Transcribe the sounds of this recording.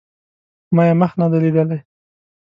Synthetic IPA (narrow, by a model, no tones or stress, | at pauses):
mɑjeməxnad̪alid̪əlaj